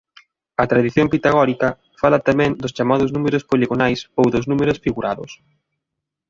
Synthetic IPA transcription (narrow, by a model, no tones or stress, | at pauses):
ɐt̪ɾaðiθjompit̪aɣɔɾikɐ | falɐt̪amɛ̃ŋd̪ʊst͡ʃamaðʊznumeɾʊspoliɣonajsowðʊznumeɾʊsfiɣuɾaðʊ̰s